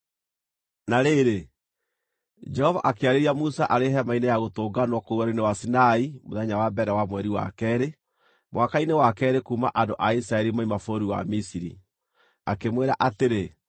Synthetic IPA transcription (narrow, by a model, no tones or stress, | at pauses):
naɾeɾe | d͡ʒɛhɔvaʔakeaɾeɾiamusaʔaɾeɦɛmainejaɣotoːɡanwɔkouaɾenewasinaimoðɛɲawabɛɾɛwamwɛɾiwa̰kɛɾe | mwakainewakɛɾekuːma̰ʔandoʔaisɾaɛɾimaimafoɾiwa̰misiɾḭ | akemweɾaʔateɾe